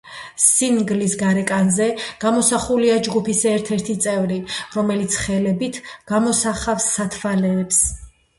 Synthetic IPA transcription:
siŋɡlisɡaɾɛkʼanzɛɡ̥amɔsaχuliad͡ʒɡupʰisɛɾt̪ʰɛɾt̪ʰit̪sʼɛvɾiɾɔmɛlit̪sʰχɛlɛbit̪ʰɡ̥amɔsaχafsːat̪ʰvalɛːps

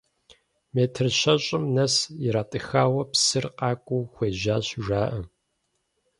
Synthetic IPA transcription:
meːtʰɨrɕɐɕʼɪmnɐsjɪɾaːtʼɨxaːwɐpsɨrqɑːkʷʼuːxʷeːʒaːɕʒʷaːʔɐ

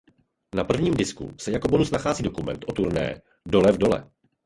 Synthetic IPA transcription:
napr̩vɲiːmdɪskṵsɛjakobonusnaxaːziːdo̞kumɛ̰nt̪ʔo̞t̪uɾnɛ̰ː | do̞lɛvdo̞lɛ̰

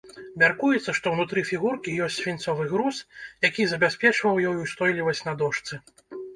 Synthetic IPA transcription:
mʲarkujɛt̪sːɐʂt̪ɔwnut̪ɾɨfʲiɣurkʲijɔsʲtʲt͡sʲsʲvʲint̪sɔvɨɣɾusjakʲizɐbʲasʲpʲɛt͡ʂvɐwjɔjust̪ɔjlʲivɐsʲtʲnɐd̪ɔʂt̪sɨ

